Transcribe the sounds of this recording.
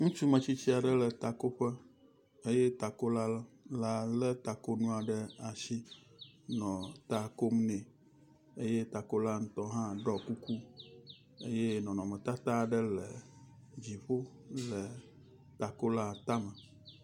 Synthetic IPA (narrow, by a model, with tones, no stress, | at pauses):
ŋũ˦t͡ʃu˦mə̃˨t͡ɕi˦t͡ɕi˦a˨ɖə˦lə˨t̪a˨ko˦ɸə˦ | e˦jɛ˦t̪a˨ko˦la˦l | la˨lə˦t̪a˨ko˦nũ˦a˨ɖə˦a˨ʃi˦ | nɔ̃˨t̪a˨ko˦mnɛ̃˨ | e˦je˦t̪a˨ko˦la˦ŋ̩˦t̪ɔ˦ɦã˦ɖɔ˦ku˦ku˦ | ḛ˦je˦nɔ̃˨nɔ̃˨mɛ̃˨t̪a˦t̪a˦˨ɖə˦lə˨d͡ʑi˨ɸo˦ | lə˨ | t̪a˨ko˦la˦t̪a˦mə˨